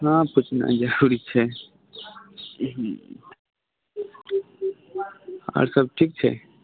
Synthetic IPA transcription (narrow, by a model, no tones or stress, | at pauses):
ɦãːput͡ʃʰna̰d͡ʒəɾuɾit͡ʃʰɛ | a̰ɾsəb̚ʈʰik̚t͡ʃʰɛ̰